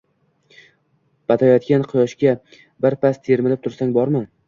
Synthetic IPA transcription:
b̥at̪ʰajɒt̪̚kʲanqʰɨjɒʃkʲa | bɪɾpast̪ʰeɾmɪlɪp̚t̪ʰʊɾsaŋbɒɾmɪ

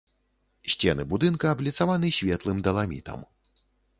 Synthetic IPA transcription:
sʲt͡sʲɛnɨbud̪ɨnkɐːblʲit̪savanɨɕʲvʲɛt̪lˠɨmd̪ɐlˠamʲḭt̪ɐ̰m

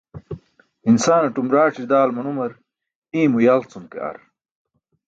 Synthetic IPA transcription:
insaːnɐʈumɾaːʈ͡ʂid̪aːlmɐnumɐɾ | ĩːmujalt͡sumkḛɐ̰ɾ

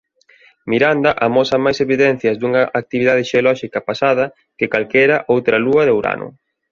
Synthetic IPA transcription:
miɾand̪ɐʔamɔsɐmajseβiðɛn̟θjɐzd̪uŋɐʔak̚t̪iβiðað̞ɪʃeolɔʃikɐpasað̞ɐ | kekalkɛjɾɐʔowt̪ɾɐluɐðewɾa̰nʔʊ̰

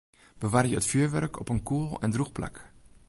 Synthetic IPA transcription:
b̥əʋaːrjəətfyːɹʋœrkʰɔ̰pənkuːlˠɛ̰ndruxpla̰k

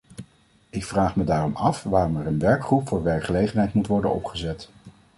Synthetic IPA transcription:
ɪkfraːχmədaːrɔmɑfʋaːrɔmɛɾənʋɛɹkχrupfʊːɹʋɛɹkχəlejχənɦɛjtmutʋɔɹdənɔ̰pχəzɛt

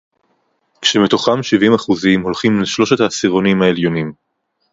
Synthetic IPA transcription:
kʃemet̪o̞χamʃivimaχuzimɦo̞lχimleʃlo̞ʃet̪hasiʁo̞nimhaeljo̞nim

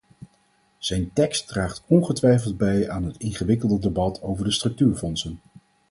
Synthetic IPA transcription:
z̥ɛjntɛkstdraːχtɔnχətʋɛjfəlˠd̚bɛjaːnɦətɪnχəʋɪkəlˠdədəbɑtʰowvəɹdəstrɵk̚tyːɹfɔnsən

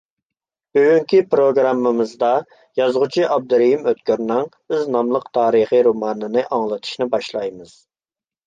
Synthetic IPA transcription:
bøɡʲyŋkʲipɾoɡɾɑmːɨmɨzd̪ɑ | jɑzʁʊt͡ʃʰiʔɑb̚d̪ɾijimøt̪kʲøɾnɪŋbyznɑmlˠəqt̪ʰɑːɾəχiɾomɑːnɨnɨʔɑŋlˠɨt̪ʰɨ̥ʃnɪbɑʃlˠɑjmɨz̥

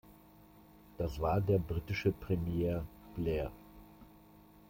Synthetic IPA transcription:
d̥asv̥aːɐdeːɐbʁiːtɪʃəpʁ̥ɛmjeːɐb̥lɛːɐ

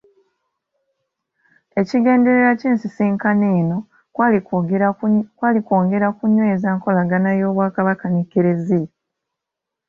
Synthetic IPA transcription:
e̞ciɡe̞ːnde̞ɾeɾaciːnsisiːŋkaneːno̞ | kwaːlikoːŋɡe̞ɾakuɲweːzaːŋko̞laɡanajo̞ːβwaːkaβakanekeɾezi

